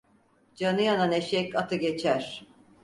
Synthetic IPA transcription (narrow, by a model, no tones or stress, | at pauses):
d͡ʒanɯjananeʃɛkat̪ʰɯɡet͡ʃʰæɾ̥